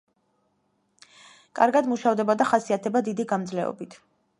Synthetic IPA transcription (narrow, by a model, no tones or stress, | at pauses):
kʼaɾɡad̪muʃavd̪ɛbad̪aχasiat̪ʰɛbad̪id̪iɡamd̪zlɛɔ̰bit̪ʰ